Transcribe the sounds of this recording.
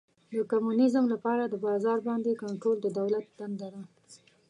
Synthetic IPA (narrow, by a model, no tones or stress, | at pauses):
d̪əkamunɪzəmlapɑɾad̪əbɑzɑɾbɑnd̪ekaɳʈɾold̪əd̪awlat̪̚d̪̥and̪ad̪a